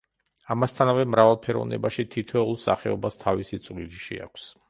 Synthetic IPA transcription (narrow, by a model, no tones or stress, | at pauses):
amast̪ʰanavɛmɾavalˠpʰɛɾɔ̰vnɛ̰baʃit̪ʰit̪ʰwɛulˠsa̰χɛɔbast̪ʰavisit̪sʼwliliʃḭa̰kʷʰs